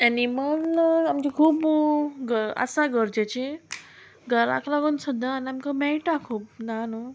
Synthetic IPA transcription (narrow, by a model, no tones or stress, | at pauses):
ɛnimənamt͡ɕikʰuːpɡəɾə̰saɡəɾd͡ʑat͡ɕe | ɡəɾa̰klaɡuːnsud̪ːanamkamɛʈakʰuːp̚nano